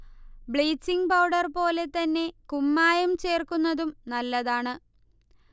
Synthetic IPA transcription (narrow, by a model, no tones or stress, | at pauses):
bɭeːsiŋɡpɐwɖɐrpo̞ːle̞t̪ɐnːe̞kumːaːjɐmt͡ɕe̞ːrkunːɐðumnɐlːɐðaːɳɨ